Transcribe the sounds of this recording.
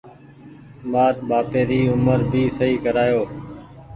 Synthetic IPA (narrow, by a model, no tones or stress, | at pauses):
maːɾɓaːpeːɾiːʊməɾbʱiːsəiːkəɾaːjoː